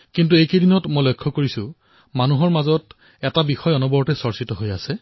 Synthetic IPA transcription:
kint̬uejkejdinɔtmojlojkʰːɔkoɹisʊ̃ | manuɦɔɹmazɔt | ɛtabixɔjɔnɔbɔɹtɛsɔɹsitɔɦojasɛ

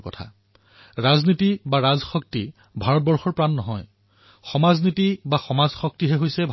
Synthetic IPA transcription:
kɔ̰tʰa̰ | ɹaznitibaɹazxɔk̚ti | bʱaɹɔt̚bɔɹxɔɹpɹanːɔɦɔj | xɔmaznitibaxɔmazxɔk̚tiɦɛɦojsɛbʱ

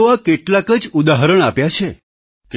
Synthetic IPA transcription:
ʋakeʈlakəd͡ʒud̪aɦɾəɳapjat͡ʃʰe | k

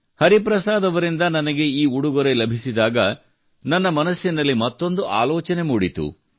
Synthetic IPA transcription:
hɐɾipɾɐsaːd̪ɐʋɐɾind̪ɐnɐnɐɡe̞iːuɽuɡɐɾe̞lɐbʱisid̪aːɡɐ | nɐnːɐmɐnɐsjɐnɐlːimɐt̪ːo̞nd̪uʔa̰ːlɔːt͡ʃɐne̞muːɽit̪ṵ

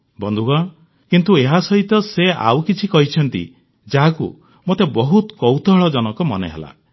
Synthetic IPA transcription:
bɔnd̪ʱuɡɔ | kint̪ueɦasɔɦit̪ɔsea̰wkit͡ʃʰikɔɦit͡ʃʰɔnt̪ḭ | d͡ʒaɦakṵ | mot̪ebɔɦut̪kɔwt̪ɔɦɔɭɔd͡ʒɔnɔkɔmɔnḛɦḛla̰

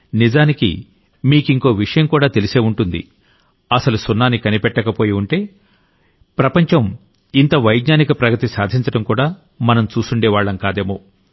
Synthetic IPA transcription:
nid͡ʒaːnikḭ | miːkiŋko̞ːʋiʂɐjɐmkuːɽaːt̪e̞lise̞ːuɳʈund̪ḭ | ɐsɐlusunːaːnikɐnipɛʈːɐkɐpo̞ːjiuɳʈe̞ː | pɾɐpɐɲt͡ʃɐm | int̪ɐʋɐjɡɲaːnikɐpɾɐɡɐt̪isaːd̪ʱiɲt͡ʃɐɽɐmkuːɽaː | mɐnɐmt͡ʃuːsuɳɖɛːʋaːɭːɐnkaːd̪e̞ːmo̞ː

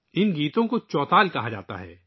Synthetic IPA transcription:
ɪnɡiːt̪õkot͡ʃɔːt̪aːlkɐɦad͡ʒa̰ːt̪a̰ɦɛ̰ː

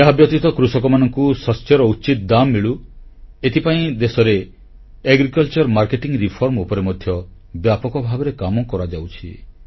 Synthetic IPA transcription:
jaɦabjɔt̪it̪ɔkɾusɔkɔmanɔŋkusɔsjɔɾɔut͡ʃit̪d̪amːiɭuet̪ʰipaĩd̪esɔɾe | eɡɾikɔlt͡ʃɔɾmaɾkeʈiŋɾipʰɔɾmupɔɾemɔd̪ʱjɔ | bjapɔkɔbʱabɔɾekamɔkɔɾad͡ʒawt͡ʃʰḭ

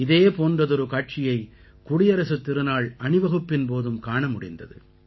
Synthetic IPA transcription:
ɪðeːpoːndrɐðɔɾɯkaːʈ̚t͡ʃɪjɐɪ | kʊɽɪjɐɾɐsɯt̪ːɪɾɯnaːɭʔɐɳɯʋɐɣɯpːɪnpoːðɯmkaːɳɐmʊɽɪnd̪ɐ̰ðɯ̰

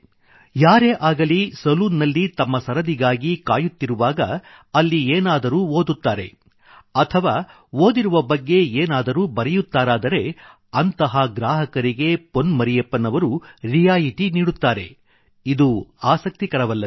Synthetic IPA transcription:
jaːɾeːʔaːɡɐlisɐluːnːɐlːit̪ɐmːɐsɐɾɐd̪iɡaːɡikaːjut̪ːiɾuʋaːɡɐ̰ | ɐlːieːnaːd̪ɐɾuːoːd̪ut̪ːaːɾe̞ | ɐt̪ʰɐʋaː | oːd̪iɾuʋɐbɐɡːe̞eːnaːd̪ɐɾuːbɐɾɛjut̪ːaːɾaːd̪ɐɾe̞ | ɐnt̪ɐɦɐɡɾaːɦɐkɐɾiɡe̞ponmɐɾijɐpːɐnɐʋɐɾuɾijaːjiʈiniːɽut̪ːaːɾe̞̰ | id̪uaːsɐk̚t̪ikɐɾɐʋɐlːɐ

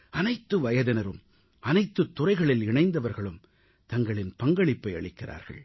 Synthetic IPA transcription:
ɐnɐɪt̪ːɯʋɐjɐðɪnɐɾɯm | ʔɐnɐɪt̪ːɯt̪ːʊrɐɪɣɐɭɪlɪɳɐɪnd̪ɐʋɐɾɣɐɭɯm | t̪ɐŋɡɐɭɪnpɐŋɡɐɭɪpːɐɪɐɭɪkːɪrʔa̰ːɾɣɐ̰ɭ

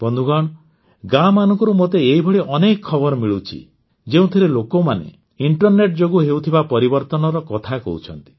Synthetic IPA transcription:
bɔnd̪ʱuɡaɳ̃ | ɡamanɔŋkɔɾumot̪eːibʱɔɽiʔɔnekɔːɔbɔɾɔmiɭut͡ʃʰḭ | d͡ʒeũt̪ʰiɾelokomanḛ | iɳʈɔɾneʈ̚d͡ʒoɡuɦewt̪ʰibapɔɾibɔɾt̪ɔnɔɾɔkɔt̪ʰakɔ̰ut͡ʃʰɔnt̪i̥

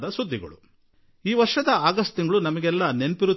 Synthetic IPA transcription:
d̪ɐsud̪ʱːiɡɐ̰ɭṵ | iːʋɐɾʂɐd̪ɐaːɡɐsʈt̪iŋɡɐɭunɐmɐɡɛlːɐnenpiɾu

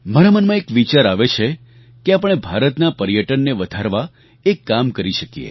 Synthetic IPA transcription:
maɾamənmãekʋit͡ʃaɾaʋet͡ʃʰe | keapəɳ̃ebʱaɾət̪napəɾjəʈənːeʋəd̪ʱaɾʋa | ekːamkəɾiʃəkijḛ

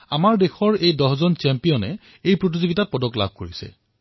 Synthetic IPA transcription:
amaɹdexʰɔɹejdɔɦzɔnt͡ʃɛmpijɔnɛ | ejpɹot̬izoɡitat̚pɔdɔkla̰b̚ʱkoɹisɛ̰

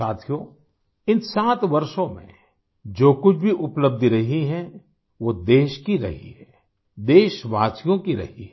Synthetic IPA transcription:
aːt̪ʰijo | ɪnsaːt̪ʋɐɾʃõmḛ̃ | d͡ʒoːkʊt͡ʃʰbʱiʔʊpləb̚d̪ɾɐɦiɦɛ̃ | ʋod̪eːʃkiɾɐ̰ɦḭɦɛː | d̪eːʃʋaːsijõkiɾɐ̰ɦḭɦɛ

